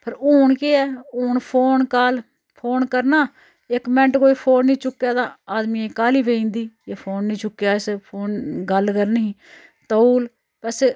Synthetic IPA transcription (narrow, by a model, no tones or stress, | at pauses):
pʰəɾoːɳkeːɛːoːnpʰoːnkaːl | pʰoːnkəɾnaː | ɪkmɛ̃ɳʈkoːiːpʰoːnĩːt͡ʃʊkːjaːd̪ãːaːd̪mĩːeːkaːliːʋeːĩːnd̪iːeːpʰoːnːĩːt͡ʃʊkːjaːɪspʰoːnɡəlkəɾnɦĩː | t̪əuːl | pəs